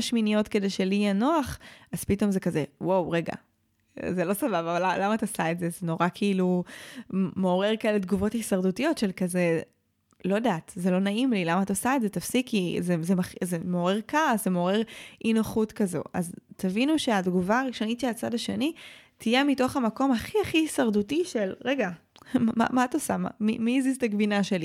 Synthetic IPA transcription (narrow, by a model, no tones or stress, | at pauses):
aʃminijo̞tke̞dejʃelijenoaχaz̥pito̞mzekazewowʁeɡa̰ | zelo̞savavavalalːamatasaetzezeno̞ʁakʰiilu | meoʁe̞ʁkaeledɡuvo̞thisɐʁdutijo̞tʃelkaze | lo̞daːtzelo̞naimlilamaːtosaedzetafsikːizezemaχzemeoʁe̞ʁkaszemeoʁe̞ʁʔinoχutkɐzo̞̰ʔa̰ztʰavinuʃe̞adɡuvaːʁiʃo̞nitʃelat͡sadaʃe̞̰nitʰije̞mito̞χamako̞maχiaχihisɐʁdutiʃelʁe̞ɡama̰maːtosama̰mimiziztaɡvinaʃe̞li